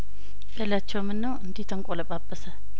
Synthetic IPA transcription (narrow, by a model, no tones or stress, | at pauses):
ʔelat͡ʃːɛwmɨnːəwɨnd̪it̪ʰəŋkʼoləpʼabːəsə